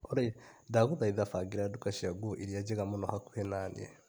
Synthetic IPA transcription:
oɾadaɡuðaiðafaɡiɾadukaʃiaɡuʔiɾiaɟeɣamunohaku̥henaniḛ

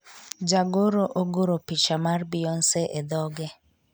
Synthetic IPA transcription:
d͡ʒaɡoɾoʔoɡoɾopit͡ʃamarbiɔnsɛʔed̪ɔɡɛ

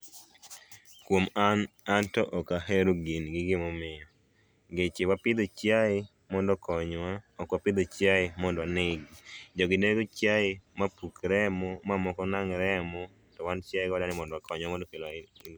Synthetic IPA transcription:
kwomaantɔʔɔkaɦeɾoɡinɡɪɡɪmɔmɪjɔ | ɡet͡ʃɪwapɪd̪ot͡ʃjaɪ | mɔndɔkʰɔɲwaɔkwapɪd̪ot͡ʃjaɪmɔndanɪɡd͡ʒɔɡɪdeɡot͡ʃjaɪmapukɾɛmɔmamɔkɔnaŋɾɛmɔ | tɔwant͡ʃjaɪɡɔdanɪmɔndwakɔɲwamɔndɔkela

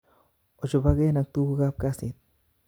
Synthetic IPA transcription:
ot͡ʃobaɡenak̚t̪uɡap̚kasit̪̚

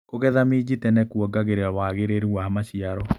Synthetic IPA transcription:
koɣɛðamed͡ʑitɛnɛkuɔɡaɣeɾeawaɣeɾeɾuwamaɕiaɾɔ

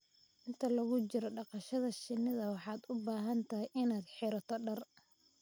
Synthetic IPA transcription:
ʔɪnt̪ʰɐlɐɣʊt͡ʃɪɾɔɖɑqɑʃɐðɐʃɪnːɪðɐwɑħɑːd̪ʊbaːɦɐnt̪ʰɐɦɪʔɪnaːd̪ħɪɾɐt̪ʰɔɖɐr

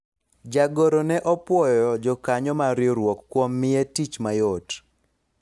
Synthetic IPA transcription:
d͡ʒaɡoɾonɛʔɔpwɔjɔd͡ʒɔkaɲɔmaɾjoɾwokːwomːɪetit͡ʃmajot

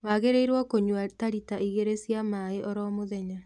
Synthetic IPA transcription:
waɣeɾeiɾwɔkoɲwataɾitaiɣeɾesjamaeʔɔɾɔmoðɛɲa

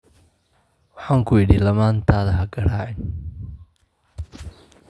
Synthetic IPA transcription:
wɑħaːŋkʰʊɪɽilɐmaːnt̪ʰaːðɐɦɐɡɐɽaːʕɛn

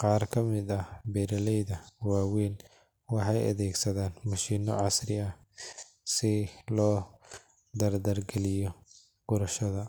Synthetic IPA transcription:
qɑːrkʰɐmɪd̪ɐhbɛɾɐlɛjðɐwaːwiːn | wɑħɑjɐ̰ðɛːɡsɐðaːnmʊʃiːnːɔʕɑsrɪɐ | sɪlɔː | d̪ɐrd̪ɐrɡɛlɪjɔ | ɡ̥ʊɾɐʃɐðɐ

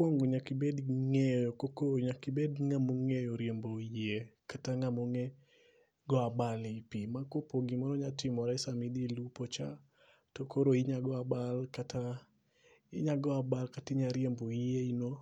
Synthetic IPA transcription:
kwɔŋɡoɲakibedŋejɔkokoɲakibedŋamoŋejoɾjemboiekataŋamoŋe | ɡɔabalipimakopoɡimɔɾɔɲatɪmɔɾaɪsamidilupot͡ʃa̰ | tokoɾoiɲaɡɔabalkata | iɲaɡɔabalkatɪɲaɾjemboieino

